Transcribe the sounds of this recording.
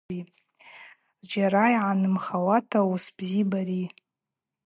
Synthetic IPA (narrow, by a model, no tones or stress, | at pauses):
i | zd͡ʒaɾajʕanɨmχawatʰausb̥zibaɾi